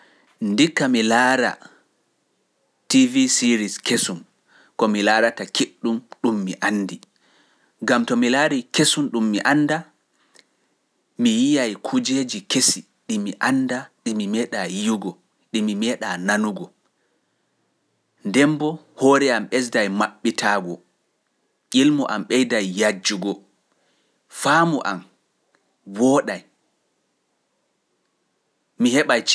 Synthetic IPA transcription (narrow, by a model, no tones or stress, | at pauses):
ndikːamilaːɾa̰ | tivisiɾiskesum | kɔmilaːɾatakiɗːumɗumːiʔanːdi | ɡamtɔmilaːɾikesumɗumːiʔanːda | mijijajkʰud͡ʒed͡ʒikesi | ɗimiʔandaɗimimɛːɗajijuɡɔ | ɗimimɛɗananuɡɔ | ndɛmbɔ | hɔɾɛamɓɛs̬dajmaɓːitʰaɡɔ | ʔilmɔʔamɓɛjdajːad͡ʒːuɡɔ | faːmɔʔa̰m | wɔɗaj | mihɛɓajt͡ʃ